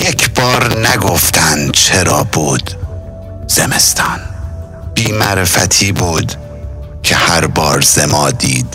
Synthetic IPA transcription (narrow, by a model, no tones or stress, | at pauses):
jekʰbɒːɾnæɡoft̪ʰænd̪t͡ʃʰeɾɒ̰ːbuːd̪̥ | z̥emest̪ʰɒːn | b̥iːmæɾefæ̰t̪ʰiːbuːd̪ | cʰehæɾbɒːɾz̥emɒːd̪iːd̪̥